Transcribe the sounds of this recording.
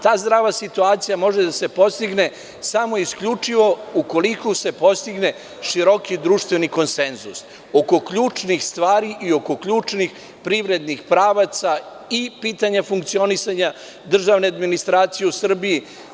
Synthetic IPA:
t̪aːzd̪ɾaːʋasit̪uaːt̪sijamo̞ʒed̪ase̞po̞st̪iɡne̞ | samo̞iskʎut͡ʂiʋo̞uko̞likose̞po̞st̪iɡne̞ | ʃiɾo̞kid̪ɾuːʃt̪ʋe̞niko̞nsenzus | o̞ko̞kʎuːt͡ʂnixst̪ʋaːɾiʔio̞ko̞kʎuːt͡ʂnix | pɾiʋɾe̞d̪nixpɾaːʋat̪sa | ipiːt̪aɲafuŋkt̪sio̞nisaɲa | d̪r̩ʒaʋne̞ad̪minist̪ɾaːt̪sijeusr̩bii

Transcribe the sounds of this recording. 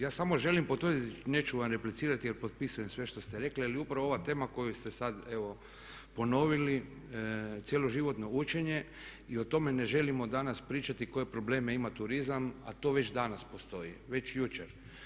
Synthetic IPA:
jaːsamo̞ʒe̞limpot̪ʋəɾrd̪it̪ine̞t͡ʃuʋamɾe̞plit̪siːɾat̪ijeɾpot̪̚pisujesʋe̞ʃt̪o̞st̪eɾe̞klialiupɾaʋooʋat̪e̞ːmako̞just̪e̞sad̪eʋo̞ | po̞no̞ʋili | t̪jelo̞ʒiʋo̞t̪no̞ut͡ʃe̞ɲe̞ | iot̪o̞me̞neʒe̞limo̞d̪anaspɾiːt͡ʃat̪iko̞je̞pɾo̞ble̞ːme̞imat̪uɾizama̰t̪o̞ːʋe̞t͡ʃd̪anaspost̪o̞jiʋe̞t͡ʃjut͡ʃeɾ

